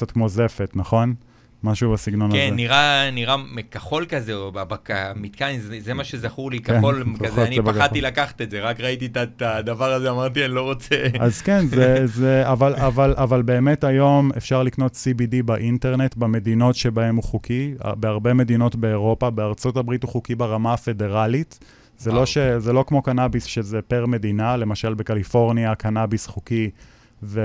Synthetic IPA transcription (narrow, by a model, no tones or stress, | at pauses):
kkt͡satkmo̞ze̞fetnaχo̞n | maʃubasiɡno̞nakenːiʁaniʁamekaχo̞lkazeobabakamit̪kanizezemaʃezaχulikaolazoaniebaatilakaχḁt̪etzeʁakʁait̪it̪at̪ad̪avaʁazeamaʁt̪ianlo̞ʁot͡seazkenzzeavalavalʔavalbe̞ːmetajo̞me̞fʃaʁlikno̞tsibidibaʔinte̞ʁne̞tbame̞dino̞tʃe̞bae̞muχukia̰be̞aʁbe̞medino̞tbe̞ːʁo̞pabeaʁt͡so̞tabʁituχukibaʁamaafe̞de̞ʁalit | zelo̞ʃezelo̞kmo̞kanabisʃezepeʁme̞dinalemaʃalbekalifo̞ʁniakanabisχuki | ve